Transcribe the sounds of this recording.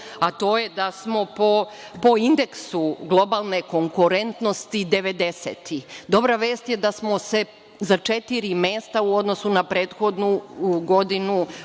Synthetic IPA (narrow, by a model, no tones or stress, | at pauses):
at̪o̞ːjed̪asmo̞po | po̞ind̪e̞ksuɡlˠo̞balˠne̞ko̞ŋkuɾe̞nt̪no̞st̪id̪e̞ʋe̞d̪e̞se̞t̪id̪o̞bɾaʋe̞ːst̪jed̪asmo̞se | zat͡ʃe̞t̪iɾime̞ːst̪auo̞d̪nosunapɾe̞ːt̪xo̞d̪nuɡo̞d̪inu